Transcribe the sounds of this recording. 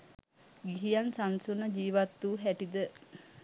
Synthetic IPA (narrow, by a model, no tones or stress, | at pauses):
ɡiɦijansansunəd͡ʒiːʋat̪ːuɦæʈid̪ə